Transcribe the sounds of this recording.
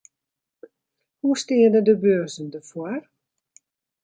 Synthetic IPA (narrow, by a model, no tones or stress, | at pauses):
hustɪːədədəbøːzəndəfoər